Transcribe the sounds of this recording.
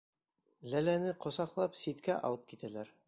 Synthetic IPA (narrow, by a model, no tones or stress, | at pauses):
lælænɘqŏsɑqlˠɑpsit̪kæʔɑ̰lˠɤp̚kit̪ælæɾ